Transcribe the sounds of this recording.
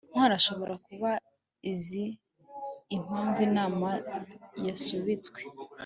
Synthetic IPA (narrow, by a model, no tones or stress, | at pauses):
m̥waːɾaʃo̞βo̞ɾakuβa | iziː | m̥aːmbiːnaːmajasuβit͡sɡwe